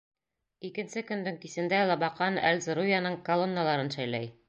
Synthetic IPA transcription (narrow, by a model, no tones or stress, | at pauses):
ikɘ̆nsɘkɵ̆nd̪ɘŋkisɘ̆nd̪ælˠɑbɑqɑnæ̰lʲzɾujanɤɴkolˠonːalˠɑɾɤnʃæjlæj